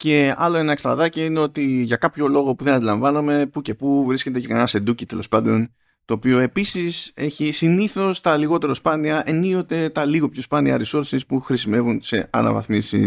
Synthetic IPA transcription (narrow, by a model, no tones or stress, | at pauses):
ce̞ɐlo̞e̞nɐekst̪ɾɐðɐciine̞o̞t̪iʝɐkɐpço̞lo̞ɣo̞puðenɐnd̪ilɐ̃ɱvɐnome̞puce̞puvɾisce̞t̪e̞cekɐnɐse̞d̪ucit̪e̞lo̞spɐnd̪o̞n | t̪o̞ːpio̞e̞pisise̞çisiniθo̞st̪ɐliɣo̞t̪e̞ɾospɐniɐʔe̞nio̞t̪e̞t̪ɐliɣo̞pço̞spɐniɐ̰ɾiso̞ɾsispuxɾisime̞vunse̞ɐ̰nɐ̰vɐ̰θmisḭ